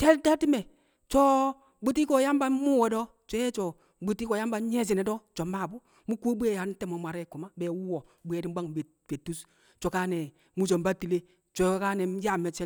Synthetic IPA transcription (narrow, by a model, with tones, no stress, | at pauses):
tɛ˦tɛ˦ti˦mɛ˨ | t͡ʃɔ˦ | bu˦ti˦kɔ˨ja˦mba˦mu˦wɛ˨˦dɔ˦ | t͡ʃɔ˦jɛ˦t͡ʃɔ˨ | bu˨ti˦kɔ˨ja˦mba˨˦ɲɛ˦s̬i˨nɛ˨dɔ˦t͡ʃɔ˨ma˦˨bu˦ | mu˦ku˦bu˦ɛ˨ja˨n˦tɛ˦mo˨ma˨ɾɛ˦˨ku˨ma˦bɛ˨˦wu˦wɔ˨ | bu˨˦ɛ˨di˦ba˦ŋ˨be˨ | be˨tːu˦s | t͡ʃɔ˨kaː˦nɛ˨ | mu˦t͡ʃɔ˨mba˦ti˨le˦ | t͡ʃɔ˨˦ka˦nɛ˨˦ja˦˨mɛ˨t͡ʃɛ˦